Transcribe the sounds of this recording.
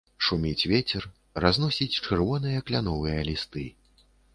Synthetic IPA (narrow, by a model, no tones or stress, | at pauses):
ʂumʲit͡sʲvʲet͡sʲɛr | raznɔsʲit͡sʲt͡ʂɛrvɔnɨjɐklʲanɔvɨjɐlʲist̪ɨ